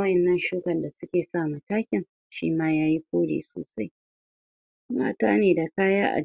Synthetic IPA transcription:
ɐ˦ʔɛ˨nːɐ˦nʃuː˦kɐ˨nda˨sʊ˦kʲeː˨saː˦˨ma˨taː˦kʲɪ˨ŋ | ʃḭː˦maː˦jaː˦ji˦kʷoː˦ɽḛː˨so̰ː˨sa˦j | ma̰ː˦taː˦neː˨da˨kaː˦jaː˦ʔa̰˨

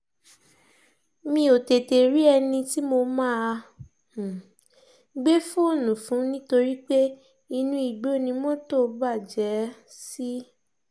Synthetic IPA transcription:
mĩ˧˦o˨te˨te˨ɾi˦ɛ˧nĩ˧ti˦mo˧mãː˦˧˨ | ɡ͡be˦fũ˦o˦˨nũ˨fũ˨˦nĩ˦to˧ɾi˦k͡pe˦ | i˧nũ˧i˨ɡ͡bo˨˦˨nĩ˧mɔ̃˦to˦˨ba˦˨d͡ʒɛ˨˦si˦

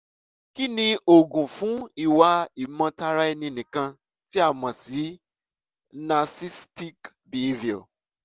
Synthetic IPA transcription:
ki˦nĩ˧o˨ɡũ˨fũ˨˦i˦˨wa˧i˨mã˧ta˧ɾa˦ɛ˧nĩ˧nĩ˨kã˧ | ti˦a˦˨mã˨si˨˦ | na˧si˦sti˦k | bi˨vi˨o̰˨

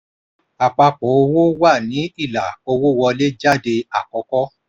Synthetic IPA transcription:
a˨k͡pa˧k͡pɔ˨˦o˧wo˦wa˦˨nĩ˨˦i˦˨la˨o˧wo˦˨wɔ˧le˦d͡ʒa˦de˧a˦˨kɔ˨˧˦kɔ˦

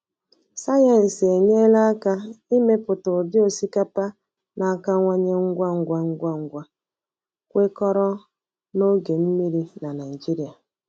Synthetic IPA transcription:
sa˦je˨n̩˨se˨ɲe˦la˦a˦ka˦i˦me˦pʊ˨tʊ˨dɪ˦o˨si˦ka˦pa˦ | na˨a˦˨ka˦ŋʷa˦ɲe˦ŋ̩˦ɡʷa˦ŋ̩˦ɡʷa˦ŋ̩˦ɡʷa˦ŋ̩˦ɡʷa˦ | kʷe˦kɔ˦ɾɔ˦ | no˦ɡe˨m̩˦mi˦ɾi˦na˨na˨i˨d͡ʒi˦ɾi˨a˨

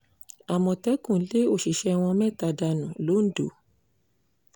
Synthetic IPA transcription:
a˨mɔ̃˨tɛ˨˦kũ˨˦le˦o˦˨ʃi˨ʃɛ˧w̃ɔ̃˧mɛ̃˦˨ta˧da˧nũ˨lo˨˦n̩˦do̰˨

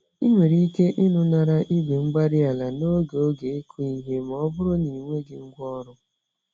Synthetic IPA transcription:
i˦mʷe˨ɾi˦ke˦ʔi˦nʊ˦na˨ɾa˦ʔi˦be˨ŋ͡m̩˦ɡ͡ba˦ɾɪ˦a˨la˨no˦ɡe˨o˦ɡe˨e˦kʰu˦i˦ɦe˦m˨ɔ˦bʊ˦ɾʊ˦ni˨ŋʷe˦ɡɪ˨ŋ̩˦ɡʷɔ˦ɾʊ˦

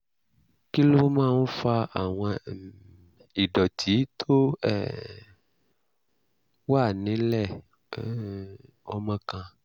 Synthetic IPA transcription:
ki˦lo˦mãː˦˨n̩˦fa˧a˨w̃ɔ̃˧ | i˨ɖɔ˨ti˨˦t̪ʰo˦ɛ˦˨ | wa˦˨nĩ˨˦lɛ˦˨˦ | ɔ̰˨˦mã˦kã˧

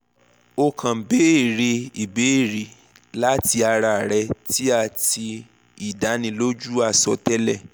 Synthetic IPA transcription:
o˧kʰã˨be˨˦i˦˨ɾe˧i˨be˨˦i˦˨ɾi˨ | la˦ti˧a˧ɾa˧˨ɾɛ˧ti˦a˦˧˨ti˧ | i˨da˨˦nĩ˧lo˦d͡ʒu˦a˦˨sɔ˧˦tɛ˦lɛ˦˨

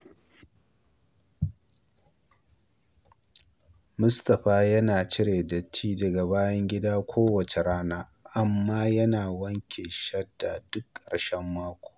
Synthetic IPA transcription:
mʊ˦stɐ˨ɸaː˦jɐ˦naː˨t͡ʃɪ˦ɾeː˨dɐ˨t͡ʃʰːiː˦dɐ˨ɡa˨baː˦jɐ˦ŋɡʲɪ˦daː˦kʷʰoː˦wɐ˨t͡ʃe˨ɽaː˦naː˦ | ʔa˨mːaː˦jɐ˦naː˨wɐ˦ŋkʲʰe˨ʃɐ˦da˨d̥ʊ˦kːɾɐ˨ʃɛ˦mːaː˦kʷo̥ː˨

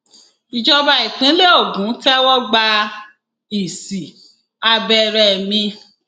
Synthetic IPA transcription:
i˨d͡ʒɔ˧ba˧i˨k͡pĩ˨˦le˦o˦˨ɡũ˨˦tɛ˦wɔ˦ɡ͡ba˧ | i˨si˨ | a˧bɛ˧ɾɛ˧˨mĩ˧

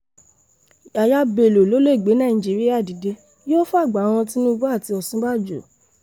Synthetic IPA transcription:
a˨ja˧be˨lo˨lo˨˦le˦˨ɡ͡be˨˦nã˦˨ĩ˨d͡ʒi˨˦ɾi˦a˦˨di˨˦de˧ | jo˦fu˦a˦˨ɡ͡ba˨˦w̃ɔ̃˧ti˦nũ˦bu˦a˦˨ti˧ɔ˧sũ˦ɡ͡ba˦˨d͡ʒo˨

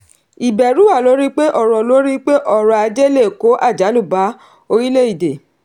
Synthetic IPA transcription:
i˨bɛ˨ɾu˨˦wa˦˨lo˨˦ɾi˦k͡pe˦ʔɔ˦˨ɾɔ˨lo˦ɾi˦k͡pe˦ʔɔ˦˨ɾɔ˨a˧d͡ʒe˦le˦˨ko˨˦ʔa˦˨d͡ʒa˨˦lu˦˨ba˨˦ | o˧ɾi˦le˦i˦˨de˨

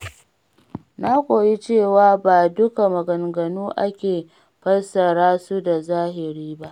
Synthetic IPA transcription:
na˦kʷʼoː˨ji˦t͡ʃeː˦˨waː˦baː˨dʊ˦ka˨mɐ˨ɡɐ˨ŋɡɐ˨nuː˦ʔa̰˦kʲeː˨ | ɸɐ˦lsɐ˨ɽaː˦su˦da˨zaː˦hɪ˨ɾiː˦ba˦ʔ

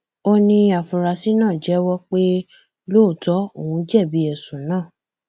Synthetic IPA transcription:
o˧nĩ˧a˨fũ˨ɾa˨si˨˦nãː˦˨d͡ʒɛ˨˦wɔ˦k͡pe˦ | loː˦˨tɔ˨˦o˨wũ˨˧˦d͡ʒɛ˦˨bi˨˦ɛ˨sũ˨˦nãː˦˨

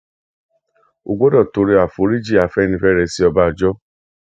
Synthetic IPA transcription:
o˨ɡ͡bo˦dɔ˦˨to˧ɾe˧a˨fo˨˦ɾi˦d͡ʒi˦˨a˨fɛ˦nĩ˧fɛ˦˨ɾɛ˨˦si˧˦ɔ˧ba˧˨d͡ʒɔ˦

